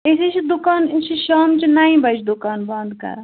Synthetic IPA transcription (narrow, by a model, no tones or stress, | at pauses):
esit͡ʃʰid̪ʊkaːnt͡ʃʰiʃaːmt͡ʃinaːĩbɐt͡ʃʰd̪ʊkaːnbɐ̃nd̪kɐ̰ɾ